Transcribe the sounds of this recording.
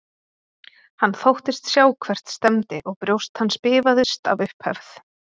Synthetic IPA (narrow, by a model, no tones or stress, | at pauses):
hanːθowht̪ɪst̪sjaːwkʰvɛr̥t̪st̪ɛmt̪ɪʔɔɣpɾjowst̪hanːspɪːvaðʏst̪a̰vʏhphɛ̰vθ